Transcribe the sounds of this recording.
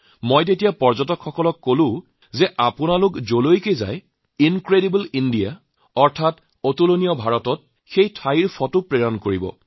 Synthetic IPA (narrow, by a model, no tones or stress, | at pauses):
mojt̬etijapɔɹzɔtɔkxɔkɔlɔkːolʊ̃ | zɛʔapʊnalʊkzolojkeza̰j | inkɹeɾibulindija | ɔɹtʰat | otulonijɔbʱaɹɔtɔt̚ | xejtʰaiɹpʰɔtupɹeɹankoɹibɔ̰